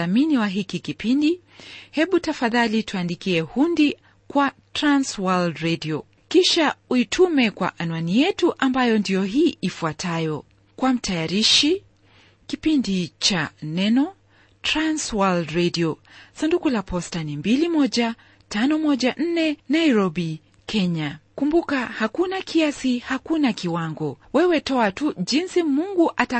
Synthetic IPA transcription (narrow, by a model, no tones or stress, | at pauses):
aminiwaɦikikipindi | hɛɓutafaðalituandikiɛhundi | kwatɾanswaldɾɛdiɔ | kiʃauitʰumɛkwa̰ʔanuanijɛtuʔambajɔndijɔɦiːʔifuatʰajɔ | kwam̩tʰajaɾiʃi | kipindit͡ʃanɛnɔ | tɾanswaldɾɛdiɔsandukulapɔstanimbilimɔʄa | tanɔmɔʄaʔn̩nɛnaiɾɔbi | kʰɛɲakumbukahakunakʰiasihakunakiwaŋɡɔwɛwɛtɔatuʄinsimuŋɡuʔata